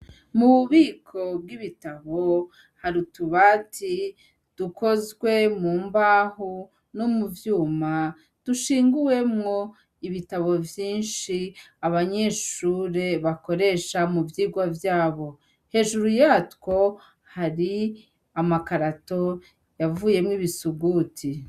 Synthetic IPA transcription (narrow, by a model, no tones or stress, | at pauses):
muβiːkʰo̞bɡiβitaβo̞ | haɾutuβaːti | d̥ukʰo̞zɡwe̞muːmbaːhu | nomuvjuːma | d̥uʃiːŋɡuwe̞mŋo̞ | iβitaβo̞vjiːnʃiaβaɲe̞ːʃuːɾe̞βako̞ɾe̞ʃamuvjiːɡwavjaːβo̞ | he̞ːʒuɾujatko̞ | haɾi | amakaɾato̞ | javuːje̞mŋiβisuɡuːtʰi